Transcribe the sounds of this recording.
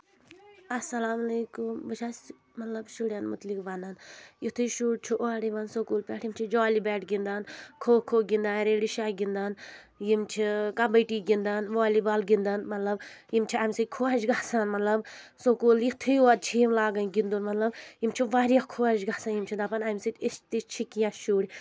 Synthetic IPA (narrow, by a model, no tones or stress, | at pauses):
ɐsɐlaːmɐleːkumbɐt͡ʃʰas | mɐt̪lɐbʃuɽjanmut̪likʋanɐnjit̪ʰuʃuɽt͡ʃʰiʔoaɽiʋɐnsokuːlpɛʈʰjimt͡ʃʰid͡ʒɔːlibɛːʈɡind̪ankʰoːkʰːoːɡind̪aːɾeːɽiʃaɡind̪an | jimt͡ʃʰikɐbəʈiːɡind̪anʋaːlibalɡind̪ɐnmɐt̪lɐbjimt͡ʃʰiamʲsikʰoad͡ʒɡaːsanmɐt̪lɐbsokuːljit̪ʰijuad̪̚t͡ʃʰijimlaːɡɐnɡind̪unmɐt̪lɐbjimt͡ʃʰiʋaːɾjakʰoad͡ʒɡasanjimt͡ʃʰid̪aːpɐnɐmsitʲiʃt̪it͡ʃʰikijaʃuːɽʲ